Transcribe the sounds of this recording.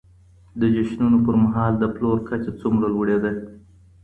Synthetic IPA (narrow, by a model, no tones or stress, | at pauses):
d̪əd͡ʒaʃnunopəɾmaɦɑld̪əploɾkat͡ʃet͡sumɾalwəɽed̪a